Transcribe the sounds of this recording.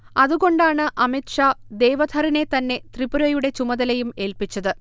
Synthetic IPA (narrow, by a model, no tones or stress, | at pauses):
ɐðuɣo̞ɳɖaːɳɨʔɐmit̪ʂad̪e̞ːʋɐd̪ʰʱɐɾine̞t̪ɐnːe̞t̪ribuɾɐjuɽe̞t͡ɕumɐðɐlɐjume̞ːlpit͡ɕːɐðɨ